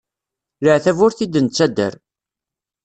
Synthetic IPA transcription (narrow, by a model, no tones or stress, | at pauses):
ləʕθævʊɾθid̪ənt͡sːæd̪ːə̰ɾ